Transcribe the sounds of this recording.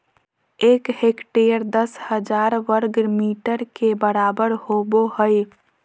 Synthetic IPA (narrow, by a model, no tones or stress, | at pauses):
eːkɦekʈejəɾd̪əshəd͡ʒaːɾʋəɾɡmiːʈəɾkebəɾaːbəɾhoboɦəj